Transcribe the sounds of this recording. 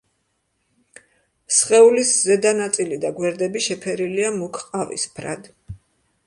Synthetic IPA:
sχʼɛuliszɛd̪anat̪sʼilid̪aɡwɛɾd̪ɛbiʃɛpʰɛɾiliamukʰqʼavḭspʰɾa̰d̪

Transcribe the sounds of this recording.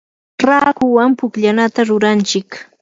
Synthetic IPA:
ɾaːkʊwampʊkʎanat̪aɾʊɾant͡ʃɪk

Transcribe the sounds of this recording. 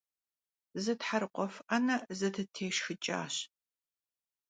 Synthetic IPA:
zɨtħaɾɨqʷʼɔfanɐzɐtʰɨtʰeːʃxɨt͡ʃʼa̰ːɕ

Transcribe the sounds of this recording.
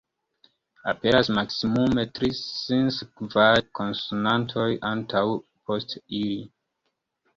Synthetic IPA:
ape̞ɾasmaksimume̞tɾisinskvaɾkʰo̞nsunantʰo̞jʔantʰawpo̞stili

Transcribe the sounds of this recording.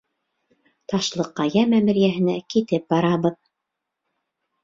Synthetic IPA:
t̪ɑʃlˠɤqːɑjæmæmɘ̆ɾjæɦɘ̆nækit̪ɘp̚bɑɾɑβɤð

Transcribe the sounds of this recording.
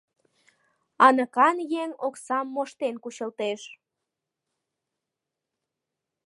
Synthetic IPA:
ɑnəkɑnjeŋoksɑmːoʃt̪enkuɕəlt̪eʃ

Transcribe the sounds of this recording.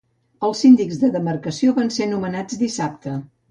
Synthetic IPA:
əlˠsind̪iɡzðəðəmərkəsioβansenumənad͡zd̪isap̚t̪ə

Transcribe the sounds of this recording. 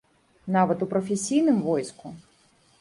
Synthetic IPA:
navɐt̪upɾɐfʲɛsʲijnɨmvɔjsku

